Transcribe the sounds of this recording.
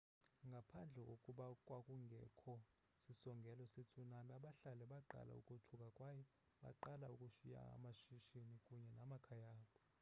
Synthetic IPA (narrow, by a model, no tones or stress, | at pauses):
ŋɡʱapʰand͡ɮʱɛkʼokʼuɓakʼwakʼuŋɡʱɛkʰɔ | sisɔŋɡʱɛlɔset͡sʼunanaɓaɬalɛɓaǃa̰la̰ṵkʼutʰukʼakʼwajɛ | ɓa̰ǃalaukʼuʃija̰a̰maʃiʃinikʼuɲɛnamakʰajaːɓɔ